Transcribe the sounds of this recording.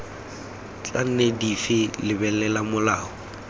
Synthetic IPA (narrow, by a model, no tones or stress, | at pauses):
t͡sʼan̩nɛdifɪlɪbɛlɛlamʊlaːɔ